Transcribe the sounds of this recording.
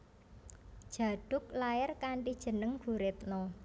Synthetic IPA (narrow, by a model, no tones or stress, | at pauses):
d̥ʒ̥a̤ɖ̥ʊ̤k̚laɪrkaɳʈid̥ʒ̥ə̤nəŋɡ̥ṳɾet̪̚nɔ